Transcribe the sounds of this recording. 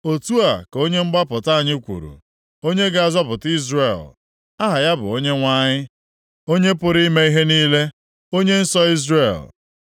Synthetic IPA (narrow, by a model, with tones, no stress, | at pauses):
o˨tu˦a˨ko˦ɲe˦ŋ͡m̩˦ɡ͡ba˦pʊ˨ta˦a˨ɲɪ˦kʷṵ˨ɾṵ˨ | o˦ɲe˦ɡa˦a˨zɔ˦pʊ˨ti˦zre˨l | a˦ɦa˨ja˦bʊ̰˨o˦ɲe˦ŋʷa˦ɲɪ˦ | o˦ɲe˦pʊ˦ɾi˦me˦i˦ɦe˦niː˦le˦ | o˦ɲe˦n̩˦sɔ˦i˦zre˨l